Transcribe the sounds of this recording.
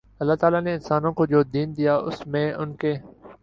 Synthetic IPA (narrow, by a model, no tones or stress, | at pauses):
ɐlːat̪aːlaneɪnsaːnõkod͡ʒoːd̪iːnd̪ijaːʊ̰smẽːʊnkeː